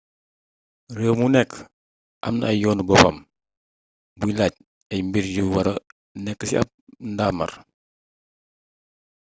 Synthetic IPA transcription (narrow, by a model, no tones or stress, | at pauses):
rəːmunɛkː | ɐ̰mnɐjɔːnubɔpɐm | builaːc̚ | ɛmbiɾjuwɐɾɐ | nɛkːəsiɐ̰p̚ndaːmɐ̰ɾ